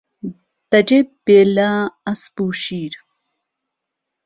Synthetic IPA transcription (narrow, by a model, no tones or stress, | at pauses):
t̪ɐd͡ʒebelaːɐspuːʃiːɾ